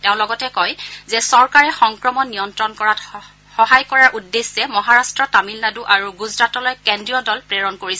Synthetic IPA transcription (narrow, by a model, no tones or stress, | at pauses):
teʊ̃lɔɡɔtɛkɔjzɛsɔɹkaɹɛxɔŋkɹɔmɔnːijɔntɹɔnkɔɹat | xɔɦajkɔɹaɹʔudːesɛmɔɦaɹastɹɔtamilnaduʔaɹuɡuzɹatɔlɔjkendɹiɔdɔlpɹeɹɔnkoɹisɛ